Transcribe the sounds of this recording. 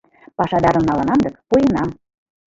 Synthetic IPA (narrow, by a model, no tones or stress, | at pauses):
pɑʃɑd̪ɑɾə̆mnɑlɤ̆nɑnd̪ɤkpujənɑm